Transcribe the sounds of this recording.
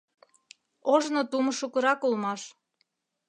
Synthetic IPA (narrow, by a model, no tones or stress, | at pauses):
oʒnot̪uməʃukɤ̆ɾɑkulmɑʃ